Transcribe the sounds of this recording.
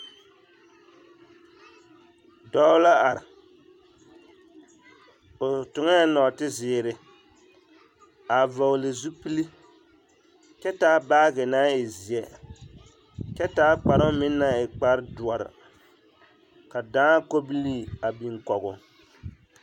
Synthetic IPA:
dɔ˦la˦a˨ɾɪ˨ | o˨tʊ˨ŋa˦nɔ˨tɪ˦zɪː˨ɾɪ˨ | a˨va˨lɨ˨zu˦pi˦li˦ | t͡ʃɛ˦taː˦baː˦ɡɛ˨naː˦ɪ˨zi˨ɛ˨ | t͡ʃɛ˦taː˦k͡pa˨ɾʊ˦mɪ˦nːa˦ɪ˨k͡pa˦ɾdu˨a˨ɾɪ̰˨ | ka˨daː˦ko˦bi˦li˦a˨bi˨ŋkɔ˨ɡʊ˨

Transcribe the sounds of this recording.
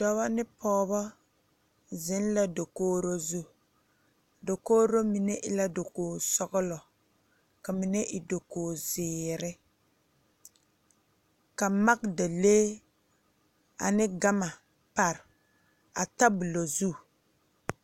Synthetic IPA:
dɔ˦βa˦nɪ˦pʰɔː˦βɔ˦ | zɪ˨˦n˦la˨do˨koː˦ɾo˦zu˦ | do˨koː˦ɾo˦mi˨ne˦ʔɪ˦la˦do˨koː˨sɔ˦ɡʊ˦lɔ˨ | ka˨mɪ˨nɛ˦ʔɪ˨do˨koː˨zɪː˨ɾɪ˦ | ka˨ma˦k̚da˨leː˦ | a̰˨nɪ˦ɡa˦ma˨ | pa˨ɾ | a̰˨ta˦bu˨lo˨zu˦

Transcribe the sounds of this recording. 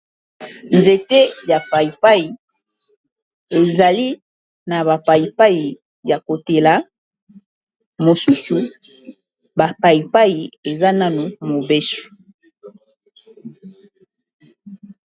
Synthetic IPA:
nze˨te˦ja˨pa˨i˨pa˦i˨ | e˨za˨li˦ | na˨βa˨pa˨ji˨pa˦i˨ | ja˨ko˨te˨la˨˦ | mo˨su˦su˨ | ba˨pa˨ji˨pa˦i˨e˨za˦na˦no˨mo˨be˦su̥˨

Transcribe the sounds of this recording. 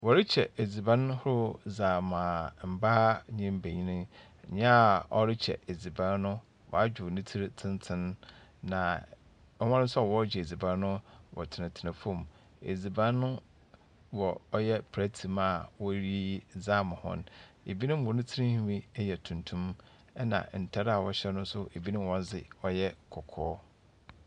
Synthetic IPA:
wɔ˨ɾɪ˦t͡ɕʰɛ˨e˨d͡zi˨bã˦n˦hʊ˦ɾʊ˦zaː˨mãː˨m̩˨baː˦ɲɪ̃˦m˦bæ˨ɲĩ˦nɪ̃˦˨ | ɲã˦˨ɔ̰˦ɾɪ˦t͡ɕʰɛ̰˨ʔe˨d͡zi˨bã˦nnʊ̃˦ | wʔɔ̰˨a˦d͡ʑᶣʊ˨nɪ̃˦tʰi˦ɾtʰɪ̃˦ntʰɪ̃˦nːã˨ | ɔ˦mã˦nɪ̃˦sɔ˦ɔ˨wɔ˦d͡ʑɛ˨e˨d͡zi˨bã˦n˦nʊ̃˦wɔ̰˨tʰɪ˨nɪ̃˨tʰɪ˨nɪ̃˨fõ˦˨m | ḛ˨d͡zi˨bã˦nʊ̃˦ | wɔ˨ɔ˦jɛ˦pʰɾæ˦tʰi˨ma˦˨wɔ˦ɾi˦za˦˨mʊ̃˨hɔ̰̃˦ne˨bi˦nʊ̃˦m˦wɔ˨nĩ˦tʰi˦ɾĩ˦hĩ˦mĩ˦ɛ˦jɛ˨tʰũ˨ntʰũ˦m | ɛ˦nã̰˨n̩˨tʰa˦ɾa˨wɔ˨ɕɛ˦nʊ̃˦n̩˦sʊ˦ʔe˨bi˦nʊ̃˦m˦wɔ̃˦n˦zɪ˨ɔ˦jɛ˦kʰɔ˨kʰɔː˦

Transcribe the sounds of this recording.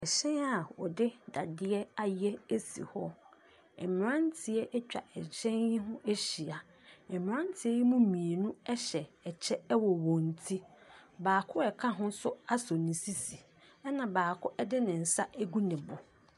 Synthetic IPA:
ɛ˨ɕɛ̃˦a˨ɔ˨dɪ˦da˨dɪ˦ɛ˦a˨jɛ˦e˦sḭ˨hɔ˦ | ɛ˨m˨ɾã˦n˦tʰɪ˨ɛ˦ʔɛ˦t͡ɕᶣa̰˨ʔɛ˨d͡ʑʰɛ̃˦njĩ˦ɦʊ̃˦ʔe˦ɕi˨a˨ | ɛ˨m˨ã˦n˦tʰɪ˨ɛ˦ji˦mũ˦mĩ˨e˨nũ˦ɛ˦ɕɛ˨ɛ˨t͡ɕʰɛ˦ɛ˦wɔ˨wɔ̃˨n˨tʰi˦baː˨kʰʊ˦ɛ˨kʰa˦ɦʊ̃˦sʊ˦a˦sɔ˨nĩ˨si˦si˨ | ɛ˦nã˨baː˨kʰʊ˦ʔɛ˦dɪ˦nɪ̃˨n̩˨sa˦ʔe˦ɡu˦nɪ̃˨bʊ˨

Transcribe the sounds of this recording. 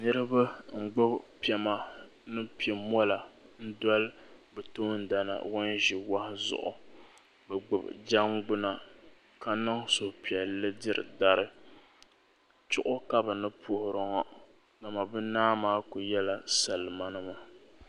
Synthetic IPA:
nɨ˦ɾɨ˦ba˦ŋ͡m̩˨ɡ͡bʊ˦pi˨˦ɛ˨ma˦ | nɨ˦pi˨ɛ˨mɔ˦la˨n̩˦dɔ˦lbɛ˨to˦n̩˦da˨na̰˨wɔ˦nʒi˨wa˦hɪ˦zʊ̰˨ʔʊ̰˨ | bɛ˨ɡ͡bɨ˨b̰d͡ʒa˦ŋɡ͡bʊ˦na˨ | ka˦na˦ŋso˨pi˨ɛ˨lːɨ˦dɨ˦ɾɨ̰˨da˦ɾɨ˦ | t͡ʃʊ˦ʔʊ˦ka˦bɨ˨nɨ˦pʰʊ˦hʊ˨ɾɨ˨ŋɔ˦ | da˨ma˨bɨ˦naː˦maː˦kʊ˨jɛ˦la˦sa˨lɨ˨ma˦nɨ˦ma˨

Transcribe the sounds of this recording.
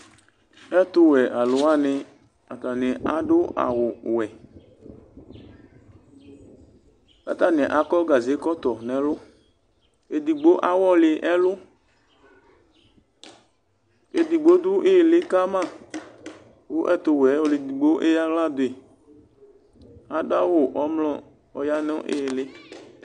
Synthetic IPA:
ɛ˦t̪ʊ˦wɛ˨ʔa˨lʊ˨˦a˦nɪ̃˨ | a˨t̪a˨nɪ̃˨ʔa˨ɖo˦ʔa̰˨wʊ˨wɛ˨ | ka̰˨t̪a˦nɛ̃˨ʔa˨kɔ˦ɡa˨ze˨˦kɔ˦t̪ɔ˨nɛ̃˨lʊ˦ | e˨d̪i˨ɡ͡bo˦ʔa˦wɔ˦lɪ˨ʔɛ˦lʊ˦ | e˨d̪i˨ɡ͡bo˦d̪u˦ʔe˦˨lɪ˦ka˦mã˦˨ | wo˦ʔɛ˦t̪o˨wɛ˨˦wo˨lɪ˨d̪i˨ɡ͡bo˦ʔe˦ja˦ɣla˦d̪o˨e˨ | a˨ɖa˦wo˨ʔɔ˦mlɔ̃˦ | ɔ˨ja˦nɔ̃˦ʔḛ˦˨lɪ˦

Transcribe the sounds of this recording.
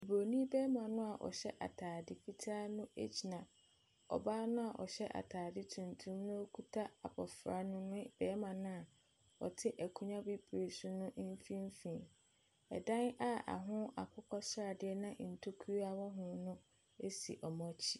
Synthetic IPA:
e˨bo˨nĩ˦bɛː˦mã˨nʊ̃˦a˨ʔɔ̰˨ɕɛ˦ʔa̰˨tʰaː˨dɪ˨fi˦tʰaː˦nʊ̃˦ḛ˦t͡ɕʰi˨nã˨ | ɔ̰˨baː˦nʊ̃˦a˨ʔɔ̰˨ɕɛ˦ʔa̰˨tʰaː˨dɪ˦tʰũ˨ntʰũ˦mnʊ̃˦o˦kʰu˦tʰa˦a˨bʰɔ˨fɾa˨nʊ̃˦nʊ̃˦b̥ɛː˦mã˨nʊ̃˦a˨ | ɔ̰˨tʰɪ˦ʔæ˨kʰũ˨ɲã˦bi˦bɾe˨sʊ˦nʊ̃˦ʔm̩˦fĩ˦m˦fĩ˨ | ɛ̰˨dã˦na˦a̰˨ɦʊ̃˦a˨kʰʊ˦kʰɔ˦sɾa˨dɪ˦ɛ˦nã˦˨n̩˨tʰo˦kʰu˦a˦wɔ˦ɦʊ̃˨nʊ̃˦ | e˦sḭ˨ʔɔ˨mɔ̃˦t͡ɕʰi˦

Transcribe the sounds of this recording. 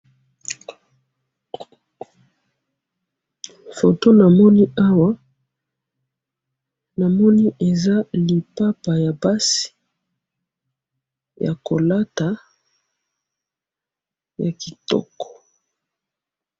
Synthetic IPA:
fo˨to˦na˨mɔ˦ni˦a˦wa˦ | na˨mɔ˦ni˦ʔe˨za˦li˨pa˦pa˨ja˨ba˦si̥˨ | ja̰˨ko˨la˦ta˨ | ja˨ki˨tɔ̰˦kɔ̥˨

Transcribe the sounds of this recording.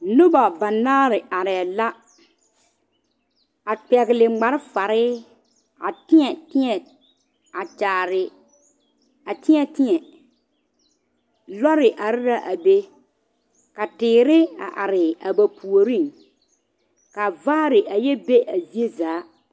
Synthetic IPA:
nʊ˦ba˨ba˨naː˦ɾɪ˨ʔa˨ɾɪ˨a˨la˦ | a˨k͡pɛ˨ɣɪ˨lɪ˨ɡ͡ba˨ɾɪ˦fa˨ɾɪː˦ | a˨tɪ˦ɲɛ˨tɪ˦ɲɛ˨ | a˨t͡ʃaː˨ɾɪ˨ | a˨tɪ˦ɛ˨tɪ˦ɲɛ˨ | lɔ˦ɾɪ˨ʔa˨ɾɪ˦ɾa˦ʔa˨be˦ | ka˨tɪː˨ɾɪ˦a̰˨ʔa˨ɾɪ˨a˨ba˨pʰu˨o˨ɾi˦˨ŋ | ka˨vaː˦ɾɪ˨ʔa˨jɛ˦be˦ʔa˨zi˦e˦zaː˨˦

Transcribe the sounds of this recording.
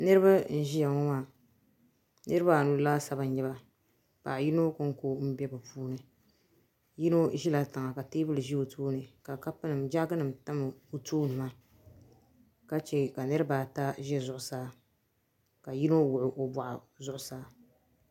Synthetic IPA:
nɨ˦ɾɨ˦ba˦n̩˦ʒi˦ja˨ŋɔ˦maː˦˨ | nɨ˦ɾɨ˦ba˦˨nu˨˦laː˦sa˨ba˨ɲ˦ɲɛ˦ba˦ | pa̰˨ji˦no˦kɨ˦ŋ˦ko˦m̩˦bɛ˦bɨ˨puː˦nɨ˨ | ji˦no˦ʒi˦la˨tɨ˨ŋa˨ka˨teː˦bɨ˦lɨ˨ʒi˦o˨tʰoː˦nɨ˨ka˨ka˦pɨ˦nɨ˨md͡ʒa˦ɡɨ˦nɨ˨mta˦mɨ˨o˨toː˦nɨ˨ma˦ | ka˦t͡ʃɛ˨ka˨nɨ˦ɾɨ˦baː˨ta˦ʒɛ˦zʊ˨ʔʊ˨saː˦ | ka˨ji˦no˦wʊ˨ʔʊ˨ʔo˨ba˨ʔa̰˨ | zʊ˦ʔʊ˨saː˦

